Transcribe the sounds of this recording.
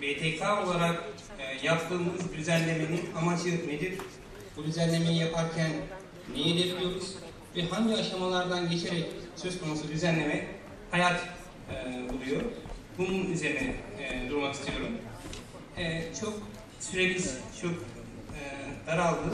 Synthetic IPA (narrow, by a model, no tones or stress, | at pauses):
beːt̪ʰekʰaːo̞lˠaɾak | ɯjapt̪ʰɯːmɯzd̪yzænlʲe̞meninamad͡ʒɯne̞d̪iɾ | bud̪yzænlʲe̞mejijapʰaɾcʰænː | ejed̪ebilʲijo̞ɾuz̥ | vɛɦaɲɟiaʃamalˠaɾd̪anɟe̞t͡ʃʰe̞ɾɛcsø̞zkʰo̞nusud̪yzænlʲe̞mɛ | hajat̪ː | buɾˠujo̞ɾbununyze̞ɾinɛd̪uɾmakist̪ʰijo̞ɾum | ɛt͡ʃʰo̞k̚ | syɾemʲizt͡ʃʰo̞kː | d̪̥aɾalˠd̪ɯ